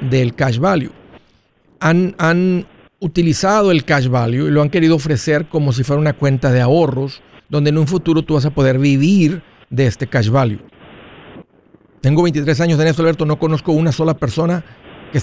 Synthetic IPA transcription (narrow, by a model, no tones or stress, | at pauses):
d̪e̞lkaʃβaljo̰ | anan | ut̪ilisað̞o̞e̞lkaʃβaljoilo̞aŋke̞ɾiðo̞ofɾe̞se̞ɾko̞mo̞s̬ifweɾaunakwe̞nt̪aðe̞ao̞ro̞zd̪o̞nd̪enũɱfut̪uɾo̞t̪uβas̬apo̞ð̞e̞ɾβiβ̞iɾ | ðe̞est̪e̞kaʃβaljo̰ | t̪e̞ŋɡoe̞jnt̪it̪̬ɾe̞s̬aɲozðenes̬t̪olβe̞ɾt̪ono̞ko̞no̞sko̞unaso̞lape̞ɾso̞nakes